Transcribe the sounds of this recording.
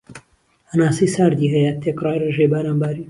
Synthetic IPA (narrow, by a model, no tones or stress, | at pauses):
ɐnaːsijsaːɾd̪iːɦɐjɐt̪ʰeːkrˤɑːjreʒejbaːɾaːmbaːɾiː